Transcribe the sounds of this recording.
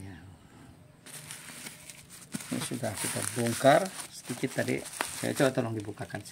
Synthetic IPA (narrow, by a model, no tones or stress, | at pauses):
ja | nḭsudahkit̪abɔŋkarsə̥d̪ikɪt̪ːadḭka̰ja̰t͡ʃobat̪ɔlɔŋdibukakans